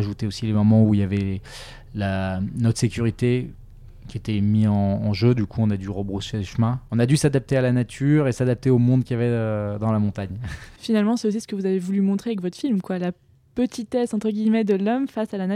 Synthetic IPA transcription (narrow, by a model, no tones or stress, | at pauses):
ʒut̪eosilemɔmɑ̃uiljavɛ | lanɔt̪χə̥sekʲyʁit̪e | kʲiet̪ɛmiɑ̃ːʒød̪ykʰuɔ̃nad̪yʁəbʁoʃeleʃmɛ̃ɔ̃nad̪ysad̪ap̚t̪ealanat̪ʰyʁesad̪ap̚t̪eomɔ̃d̪kʲijavɛød̪ɑ̃lamɔ̃t̪aɲfinalmɑ̃sɛos̬isə̥kəvuzavevulymɔ̃t̪χeavɛkvɔt̪χfilmkwala | pət̪ʰit̪ɛsɑ̃t̪χəɡʲijmɛd̪əlɔmfasalana